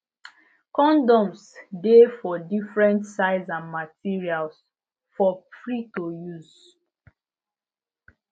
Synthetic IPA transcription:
kɔ̃ndɔ̃msdefɔdifɹɛ̃ntsaɪzãnmatiɹials | fɔpɹitojuz

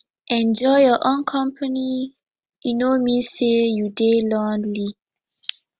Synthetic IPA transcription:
ʔɛ̃nd͡ʒɔjjɔʔõnkʰɔ̃mpʰani | inomĩsejudelɔ̃nli

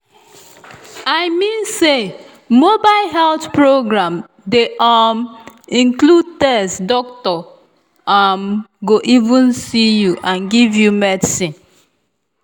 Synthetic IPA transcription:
aɪmĩnse | mobaɪlɦɛltpɹoɡɹãm | deʔɔmĩŋklud̚tɛsdɔk̚tɔ | amɡoʔivũnsijuʔãnɡivjumɛdisĩn

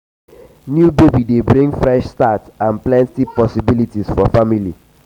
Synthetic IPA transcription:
njubebidebɹĩŋɡfɹɛʃstatãnplɛ̃ntipɔsibilitisfɔfamili

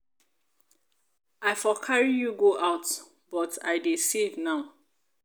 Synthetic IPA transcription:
aɪfɔkʰaɹijuɡoʔaʊt | bɔtʰa̰ɪdesevnaʊ

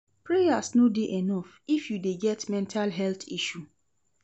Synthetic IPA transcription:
pɹejasnodeʔɛnɔf | ifjudeɡɛtmɛ̃ntʰalɦɛlθiʃu

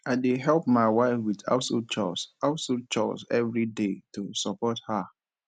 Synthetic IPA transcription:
aɪdeɦɛlp̚maɪwaɪfwida̰ʊsot͡ʃɔ̰saʊsut͡ʃɔ̰sɛvɹidetusɔpɔtha

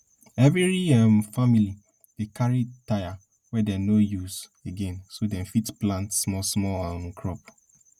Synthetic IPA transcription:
ɛviɹiɛmfamili | d̥ekʰaɹitaja | wɛdɛnojuseɡɛ̃nsodɛ̃mfitplãntsmɔsmɔãʊ̃nkʰɹɔp

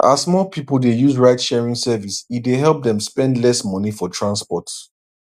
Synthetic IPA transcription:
ʔa̰smɔpʰipəl̩ˠdejuzɹaɪtʃɛɹĩŋsɛvisitdeɦɛlˠp̚ðɛ̃mspɛ̃ndlɛsmʌnifɔtʰɹãnspɔt

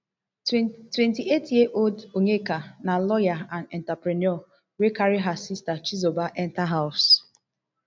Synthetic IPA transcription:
twɛntietjeʔoldoɲekanalɔjaanɛntapɾenɔ | wekaɾiɦasistat͡ʃizobaʔɛntaɦaʊs

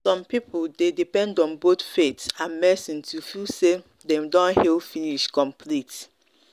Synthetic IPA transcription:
sɔ̃mpipldedipɛ̃ndɔ̃nbotfetãnmɛsĩntʰufilse | dɛ̃mdɔ̃nhilfiniʃkɔ̃mpʰlit

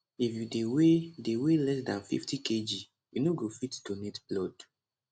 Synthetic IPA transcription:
ifjudewedewelɛs̬dãnfḭftiked͡ʒi | junoɡofitdonetblɔd

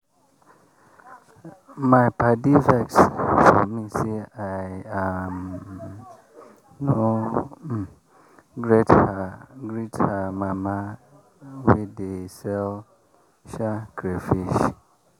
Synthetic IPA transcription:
mãɪpʰadifɛksfɔmĩseajam | no | ɡɾetaɡɾitʰamãmã | widesɛl | ʃakʰɾefiʃ

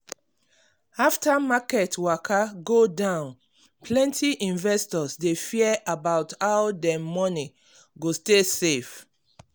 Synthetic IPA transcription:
aftamakɛtwakʰaɡodãʊ̃n | plɛ̃ntʰiʔĩnvɛstɔsdefiɛʔabaʊthaʊdɛmɔni | ɡostesef

